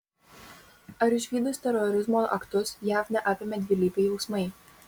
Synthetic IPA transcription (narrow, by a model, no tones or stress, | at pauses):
ɐɾɪʃʲʋʲiːd̪ʊst̪ʲɛɾɔɾʲɪzmoːʔɐ̰kt̪ʊsjæːfnʲɛʔɑːpʲɪmʲɛd̪ʲʋʲɪlʲiːpʲɛɪjɛʊsmɐɪ